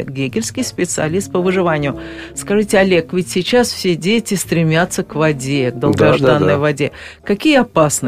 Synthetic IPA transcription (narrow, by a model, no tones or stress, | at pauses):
t̪̚ɡʲeɡʲɪlʲskʲɪjspʲɪt̪sɨɐ̰lʲist̪̚pəvɨʐɨvanʲɪjʊskɐʐɨtʲɪɐlʲekvʲɪtʲsʲɪt͡ɕasfsʲedʲetʲɪst̪ɾʲɪmʲat̪sːəkvɐdʲeɡd̪əlˠɡɐʐd̪anːəjvɐdʲekɐkʲijəɐpasnɨ